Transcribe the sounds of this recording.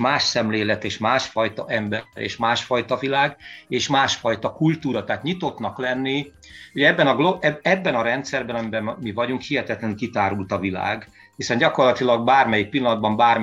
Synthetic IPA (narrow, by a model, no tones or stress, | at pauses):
maːʃsɛmleːlɛt̪eːʃmaːʃfɒjt̪ɒʔɛmbɛɾḛːʃmaːʃfɒjt̪ɒvilaːɡeːʃmaːʃfɒjt̪ɒkult̪uːɾɒt̪aɦːt̪ɲit̪o̞t̪nɒklɛnːi | hoɟɛbːɛnɒɡloɛɛbːɛnɒɾɛnt̪sɛrbɛnɒmibɛmivɒɟuŋkhiɦɛt̪ɛt̪lɛŋkit̪aːɾult̪ɒvila̰ːɡ | hisɛnɟɒko̞rlɒt̪ilɒɡ̚baːrmɛjik̚pilːɒnɒd̪̚bɒmbaːr